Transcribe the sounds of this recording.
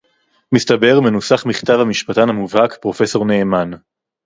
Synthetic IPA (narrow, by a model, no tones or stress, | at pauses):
mistabe̞ʁmenusaχmiχt̪avhamiʃpat̪anhamuvhakpʁo̞fe̞so̞ʁne̞ːman